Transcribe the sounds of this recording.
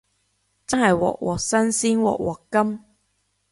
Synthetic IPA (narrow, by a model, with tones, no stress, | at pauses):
t͡sɐ˥nhɐ˨jwɔ̰ː˨k̚wʔɔ̰ː˨˩k̚sɐ˥nsiː˥nwɔ̰ː˨k̚wʔɔː˨˩kkːɐ˥m